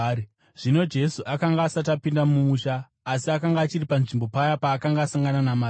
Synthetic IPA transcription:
ʐ̥ino̞d͡ʒe̞suʔakaŋɡaːsat̬apindamumuʃaː | siakaŋɡaːt͡ʃiripanʐimbo̞pajapaːkaŋɡaːsaŋɡananamaː

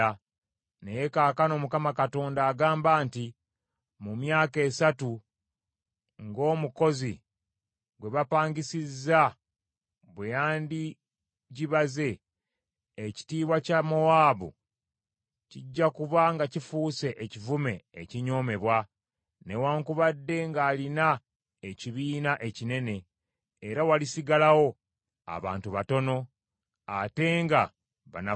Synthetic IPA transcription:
nejekaːkano̞ːmukamakato̞ːndaːɡaːmbaːnti | mumjaːke̞ːsatu | ŋɡo̞ːmuko̞zi | ɡwe̞βapaːɲɡisizːa | βwejaːndi | ɟiβaze̞ː | ci̥tiːβwacamoaːβṵ | ciɟːakuβaŋɡacifuːse̞ʔecivume̞ːciɲo̞ːme̞βwa | ne̞waːŋkuβadːe̞ŋɡaːlina | eciβiːnaʔe̞cine̞ne̞ː | ɾawalisiɡalawo̞ | a̰βa̰ːntuβato̞no̞ | ate̞ŋɡa | βa̰na

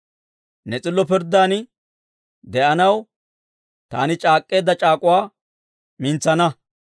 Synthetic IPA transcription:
nɛt͡sʼɪlːɔpɪɾd̪ːaːnɪ | d̪ɛʔɐnɐw | t̪a̰ːnɪt͡ʃʼaːkʼːe̞ːd̪ːɐt͡ʃʼaːkʼʊwaː | mɪnt͡sːɐnɐ

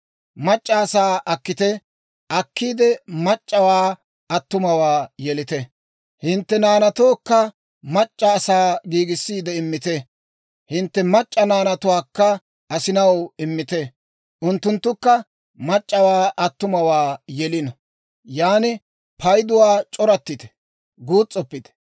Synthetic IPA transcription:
mɐt͡ʃʼːɐːsaːʔɐkːɪt̪ɛ | ʔɐkːiːd̪ɛmɐt͡ʃʼːɐwaː | ɐt̪ːʊmɐwaːjɛlɪt̪ɛ | hɪnt̪ːɛnaːnɐt̪oːkːɐ | mɐt͡ʃʼːɐːsaːɡiːɡɪsːiːd̪ɛɪmːɪt̪ɛ | hɪnt̪ːɛmɐt͡ʃʼːɐnaːnɐt̪ʊwaːkːɐ | ʔɐsɪnɐwɪmːɪt̪ɛ | ʔʊnt̪ːʊnt̪ːʊkːɐ | mɐt͡ʃʼːɐwaːʔɐt̪ːʊmɐwaːjɛlɪnɔ | jaːnɪ | pɐjd̪ʊwaːt͡ʃʼɔɾɐt̪ːɪt̪ɛ̥ | ɡuːt͡sʼːɔpːɪd̪ɛ̥

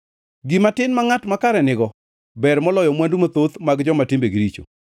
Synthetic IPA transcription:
ɡimatɪnmaŋatmakaɾɛnɪɡɔ | bɛɾmɔlɔjɔmwandumat̪ot̪maɡd͡ʒɔmatɪmbeɡɪɾit͡ʃo̰

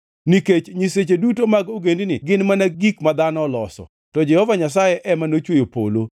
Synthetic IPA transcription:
niket͡ʃɲiset͡ʃedutomaɡoɡendinɪɡɪnmanaɡikmad̪anɔlɔsɔ̰ | tɔd͡ʒɛhɔvaɲasajɛʔɛmanot͡ʃwojopo̰lo

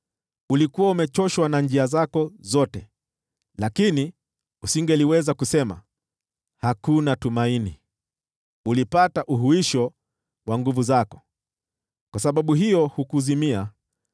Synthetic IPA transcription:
ulikuwaumɛt͡ʃɔʃwanand͡ʒiazakɔzɔtɛ | lakini | usiŋɡɛliwɛzakusɛma | hakunatumaini | ulipataʔuɦuiʃɔ | waŋɡuvuzakɔ̥ | kwasaɓaɓuɦijɔhukuzimia

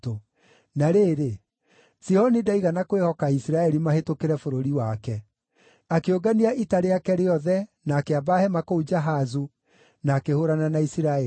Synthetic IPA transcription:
to | naɾeːɾe | sihɔnidaiɣanakwehɔkaisiɾaɛɾimahetokeɾɛfoɾoɾiwakɛ | akeoɡaniaʔitaɾeakɛɾeɔðɛnaːkeabahɛmakoud͡ʒaɦazu | naːkehoɾananaisiɾaɛ

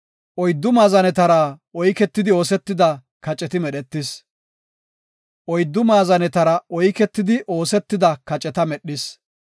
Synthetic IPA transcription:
ʔɔjd̪ːʊmaːzɐnɛt̪ɐɾɐʔɔjkɛt̪ːɪd̪ɪo̞ːsɛt̪ːɪd̪ɐ | kɐt͡ʃʼɛt̪ɪmɛɗɛt̪ːɪs | ʔɔjd̪ːʊmaːzɐnɛt̪ɐɾɐʔɔjkɛt̪ːɪd̪ɪʔo̞ːsɛt̪ːɪd̪ɐkɐt͡ʃʼːɛt̪ɐmɛɗːɪs

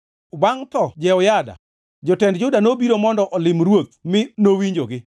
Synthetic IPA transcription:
waŋt̪ɔd͡ʒɛɔjada̰ | d͡ʒɔtɛndd͡ʒʊdanobiɾomɔndɔʔɔlɪmɾwot̪̚mɪnowiɲd͡ʒoɡɪ

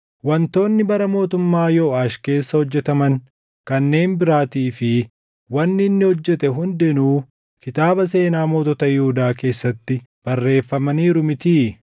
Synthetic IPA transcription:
wɐnt̪o̞ːnːɪbɐɾɐmo̞ːt̪ʊmːaːjoːaːʃke̞ːsːɐhɔd͡ʒːɛt̪ɐmɐŋ | kɐnːe̞ːnbɪɾaːt̪iːfɪ | wɐnːɪɪnːɪhɔd͡ʒːɛt̪ɛɦʊnd̪ɛnuː | kɪt̪aːbɐs̬e̞ːnaːmo̞ːt̪ɔt̪ɐjɪhuːd̪aːke̞ːsːɐt̪ːɪ | b̥ɐrːe̞ːfːɐmɐniːɾʊmɪt̪iː

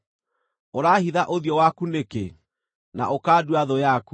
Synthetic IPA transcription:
oɾaːhiðaʔoðjɔwakuneke | na̰ʔokaːduaðɔjaku

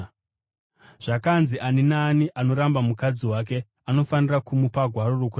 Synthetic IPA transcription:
ʐ̥akanziʔaninaːniʔano̞ɾambamukad͡ziwake̞ | ano̞fanirakumupaɡʱwaɾorokur

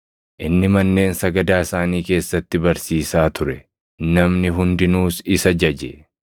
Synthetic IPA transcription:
ʔɪnːɪmɐnːe̞ːnsɐɡɐd̪aːɪsaːniːke̞ːsːɐt̪ːɪbɐɾsiːsaːt̪ʊɾɛ | nɐmnɪɦʊnd̪ɪnuːsɪsɐd͡ʒɐd͡ʒɛ

